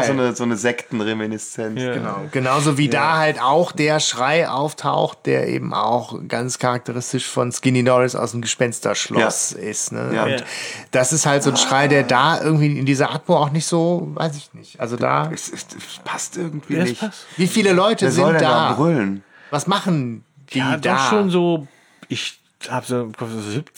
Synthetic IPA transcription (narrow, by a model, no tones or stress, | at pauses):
zoːnəzoːnəzɛktn̩ʁemɪnɪst͡sɛnt͡sɡ̥əna̰ʊɡ̥ənaʊzoviːdaːhaltʔaʊxd̥eːɐʃʁ̥aɪʔa̰ʊftʰa̰ʊxt̚d̥ḛːɐʔḛːbm̩ʔa̰ʊxɡ̥ant͡skʰaʁak̚tʰəʁɪstɪʃfɔnsɡ̥ɪninɔɾɪsa̰ʊsmɡəʃpɛnstɐ̰ʃlɔj̰sʔɪstnə̰ʊ̰nd̥asɪsthaltz̥oːnʃʁ̥aɪdeːɐdaːʔɪ̰ɐɡŋ̩tv̥iːɪndiːzɐʔatmoaʊxnɪçtz̥oːva̰ɪs̬ɪçnɪçtʔa̰lzoda̰ːɛsɪspʰastʔɪɐɡŋ̩tv̥iːɪçviːfiːləlɔʏtəzɪnld̥aːbʁʏln | vasmaχn̩ | d̥iːdaaːʃoːnzoː | ɪç | haːbzokʰɔ